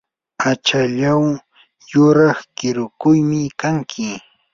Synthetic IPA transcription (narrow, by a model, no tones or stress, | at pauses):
at͡ʃaʎaw | jʊɾɑχkɪɾʊkʊjmɪkaŋkʰɪ